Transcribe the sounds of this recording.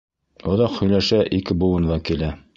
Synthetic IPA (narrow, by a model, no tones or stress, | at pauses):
ŏðɑqhɵ̆jlæʃæʔikɘbuwɤ̆nðɑkilæ